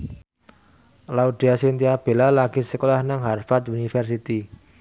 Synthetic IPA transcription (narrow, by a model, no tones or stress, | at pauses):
lauɖ̥i̤asint̪iab̥e̤lalaɡ̥i̤səkolahnaŋɦarfart̪unifɛrs̬it̪i